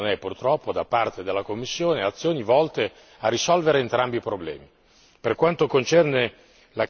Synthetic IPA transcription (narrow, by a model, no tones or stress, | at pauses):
nɛpːurt̪ɾɔpːod̪apːart̪ed̪elːakomːisːjoːneat̪sːjoːnivɔlt̪e | arːisɔlveɾeːnt̪ɾambipɾoblɛ̰ːmi | perkwant̪okont͡ʃɛrne | la